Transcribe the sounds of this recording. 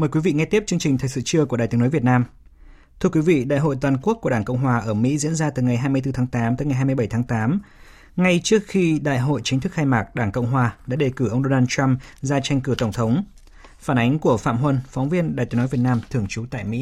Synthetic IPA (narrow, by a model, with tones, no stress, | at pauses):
məː˨˩kwi˨˦vḭ˧˨ŋɛ˧t̪i˦˥p̚t͡ɕɨ˧əŋt͡ɕï˨˩t̪ʰəː˨˩jsɨ̰˧˨t͡ɕɨ˧əku˧˩əɗaː˨˩t̪i˨˦nɔ˨˦vi˨˩ət̚naː˧m | t̪ʰɨ˧əkwi˨˦vḭ˧˨ɗa̰ː˧˨jɦo̰˧˨jt̪waː˨˩nku˦˥ək̚ːəɗaː˧˩kə̰˧˨wŋ͡mɦwaː˨˩ʔəː˧˩mḭ˧˥zḭ˧˥nzaː˧t̪ɨ˨˩ŋa˨˩jɦaː˧jmɨ˧əjt̪ɨ˧t̪ʰaː˨˦ŋt̪aː˨˦mt̪əː˨˦jŋa˨˩jɦaː˧m˧jɓə˧˩jt̪ʰaː˨˦ŋt̪aː˨˦m | ŋa˧jt͡ɕɨ˦˥ək̚xi˧ɗa̰ː˧˨jɦo̰˧˨jt͡ɕï˨˦ŋ̟t̪ʰɨ˦˥k̚xaː˧jmaː˨˩k̚ɗaː˧˩ŋkə̰˧˨wŋ͡mɦwaː˨˩ɗa̰ː˧˥ɗe˨˩kɨ˧˩ʔə˧wŋ͡mɗo˧naː˧nt͡ɕa˧mzaː˧t͡ɕa˧jŋ̟kɨ˧˩t̪ə˧˩wŋ͡mt̪ʰə˨˦wŋ͡m | faː˧˩nʔa˨˦jŋ̟ku˧˩əfa̰ː˧˨mɦwə˧nfwŋ͡mvi˧ənɗaː˨jt̪i˨˦nɔ˨˦vi˨˩ət̚naː˧mt̪ʰɨ˧˩əŋt͡ɕu˨˦t̪a̰ː˧˨jmḭ˧˥